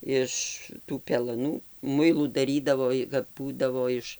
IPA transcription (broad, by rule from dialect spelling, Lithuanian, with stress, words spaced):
ˈɪʃ tuː pʲɛlˠɐˈnuː ˈmʊɪlˠuː dɐˈrʲiːdɐʋoː ɪ kɐp ˈbuːdɐʋoː ˈɪʃ